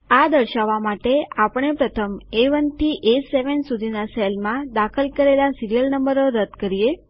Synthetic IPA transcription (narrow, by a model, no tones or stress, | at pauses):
ad̪əɾʃaʋamaʈeapəɳ̃epɾət̪ʰəmeʋənt̪ʰiʔeseʋənsud̪ʱinaselmãd̪akʰəlkəɾelasiɾijəlnəmbəɾoɾəd̪kəɾije